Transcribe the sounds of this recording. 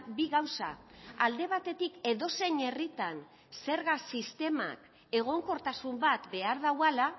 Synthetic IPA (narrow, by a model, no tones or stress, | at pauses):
biɣawsa̰ald̪e̞β̞at̪e̞t̪ike̞ðo̞se̞ɲe̞rit̪an | se̞ɾɣasist̪e̞ma̰k | e̞ɣ̞o̞ŋko̞ɾt̪asumbat̪be̞aɾð̞awala